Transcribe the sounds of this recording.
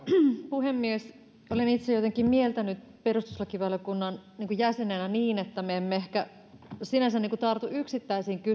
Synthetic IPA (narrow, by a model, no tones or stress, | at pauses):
puhemːies | olenit̪sejot̪eŋkːˑimmielt̪ænyt̪ | perust̪uslɑkiʋɑlokunːɑnniːŋkujæsenenæniːnet̪ːæmeemːeehkæ | sinæsænːiːŋkut̪ɑrt̪uyksit̪ːæisiːŋky